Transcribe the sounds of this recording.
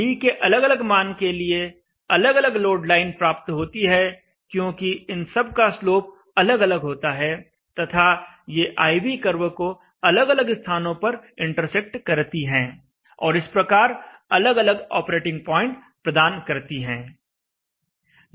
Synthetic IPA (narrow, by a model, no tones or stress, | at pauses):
ikeʔɐləɡɐləɡmaːnkelie | ɐləɡɐləɡloːɖlaːɪnpɾaːp̚t̪ɦoːt̪iɦɛ | kjõːkiɪnsɐb̚kasloːp̚ | ɐləɡɐləɡɦoːt̪aɦɛ | t̪ɐt̪ʰa | jeʔaːibikəɾʋəko | ɐləɡɐləɡst̪ʰaːnõpɐɾɪ̃ɳʈəɾsɛk̚ʈkɐɾt̪iɦɛ̃ː | ɔːɾɪspɾɐkaːɾɐləɡɐləɡɔ̰ːpɾeːʈɪ̃ŋɡ̚pɔːɪ̃ɳʈ | pɾɐd̪aːnkɐɾt̪iɦɛ̃ː